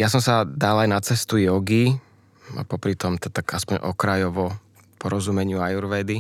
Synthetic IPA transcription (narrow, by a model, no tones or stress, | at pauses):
jas̬ɔmsad̪alajnat͡sɛst̪ujɔɡi | a̰pɔpɾit̪ɔmt̪at̪akaspɔɲɔ̰kɾajɔʋɔ | pɔɾɔzumɛɲɪuajuɾʋɛd̪i